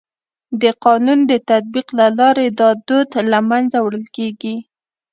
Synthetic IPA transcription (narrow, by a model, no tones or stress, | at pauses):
d̪əqɑnund̪ət̪at̪̚biqlalɑɾed̪ɑd̪od̪lamanzawɽəlkeɡi